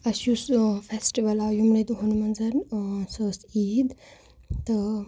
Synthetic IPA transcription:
ɐsjusfʰesʈiʋɐlajumled̪ɦonumɐnzɐɾnsɐːsiːd̪ | t̪ɐ

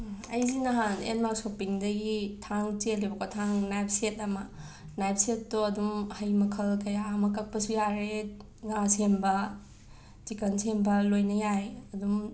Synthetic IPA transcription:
ɐ̰jzinɐɦanḛnmaksopiŋdɐɡitʰaŋt͡ʃelːibɐkʰatʰaŋnajp̚setɐmɐ | najp̚setːoɐdumhɐjmɐkʰɐlkɐjaɐmɐkɐk̚pɐsujaɾe | ŋasembɐ | t͡ʃikɐnsʰembɐlojnɐjajɐdum

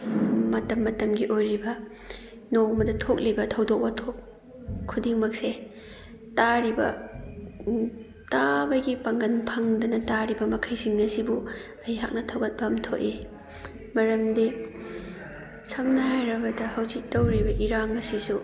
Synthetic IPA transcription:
mɐtɐmːɐtɐmɡiʔojɾibɐ | noŋmɐdɐtʰok̚libɐtʰɐwdok̚bɐtʰok | kʰːudiŋmɐk̚se | taɾibɐ̰ | tabɐɡipɐŋɡɐnpʰɐŋdɐnɐtaɾibɐmɐkʰɐjsiŋɐsibu | ɐjɦak̚nɐtʰɐwɡɐt̚bɐmtʰoki | mɐɾɐmdi | sʰɐmnɐɦajɾɐbɐdɐhɐwzik̚tɐwɾibɐʔiɾaŋɐsisu

